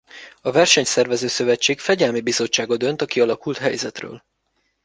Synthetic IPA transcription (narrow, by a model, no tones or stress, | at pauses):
ɒvɛrʃɛɲsɛrvɛzøːsø̞vɛt͡ʃːeːkfɛɟɛlmibizo̞t͡ʃːaːɡod̪ø̞nt̪ɒkiɒlɒkult̪ɦɛjzɛt̪rø̰ːl